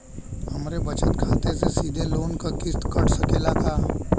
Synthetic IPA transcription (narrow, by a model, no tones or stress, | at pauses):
hɐmɾebət͡ʃət̪kʰaːt̪esesiːd̪ʱeloːnkakɪst̪kɐɽ̤səkeːlat̪ʰaː